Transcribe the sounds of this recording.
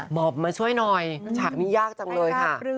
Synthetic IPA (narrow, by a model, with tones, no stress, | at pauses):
bɔː˨˩p̚ma˧nt͡ɕʰu˥˩əjnɔ˧jt͡ɕʰaː˨˩k̚niː˦˥˩jaː˥˩k̚t͡ɕa˧ŋlɤː˧jkʰa˥˩